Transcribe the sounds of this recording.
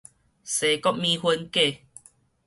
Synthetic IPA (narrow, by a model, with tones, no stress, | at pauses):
se˨˦kɔ˦p̚mĩ˧hwə˧nke˥˧˨